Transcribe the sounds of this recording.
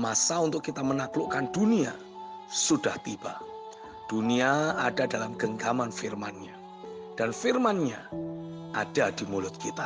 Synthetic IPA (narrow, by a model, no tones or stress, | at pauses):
masaunt̪ʊkːit̪amənaklʊʔkand̥unia | sud̥aht̪ib̥aʔ | d̥uniaad̥adalamɡ̥əŋɡamanfirmanɲa | d̥anfirmanɲa | ʔad̥adimulʊt̪̚kit̪a